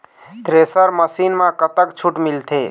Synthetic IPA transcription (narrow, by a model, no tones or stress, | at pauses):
t̪ɾesəɾməsinmãkət̪əkt͡ʃʰuʈmilt̪ʰe